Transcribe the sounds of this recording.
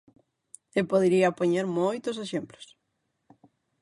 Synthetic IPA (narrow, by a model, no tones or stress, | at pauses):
epoðeɾiɐpoɲeɾmojt̪ʊseʃemplo̥s